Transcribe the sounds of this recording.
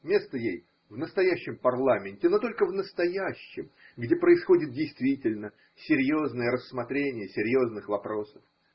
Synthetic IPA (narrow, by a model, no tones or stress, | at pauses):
mʲe̞st̪əjej | vnəst̪ɐjæɕːɪmpɐrlˠamʲɪnʲtʲɪno̞t̪o̞lʲkəvnəst̪ɐjæɕːɪ̰m | ɡdʲe̞pɾəɪsxo̞dʲɪt̪̚dʲɪjst̪vʲitʲɪlʲnə | sʲɪɾʲjo̞znəjəɾəsːmɐt̪ɾʲenʲɪjəsʲɪɾʲjo̞znɨxvɐpɾo̞sə̥f